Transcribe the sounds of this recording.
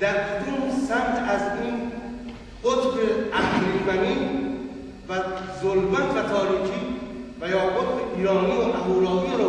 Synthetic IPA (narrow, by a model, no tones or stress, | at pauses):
d̪̥æɾbod̪uːmsæmt̪ʰæziːn | qot̪beʔæhlibæniː | væzolmæt̪ʰvæt̪ʰɒːɾiːkʰiːvæjɒːʔot̪beʔiːɾɒːniːoʔæɦuːlɒːviɾ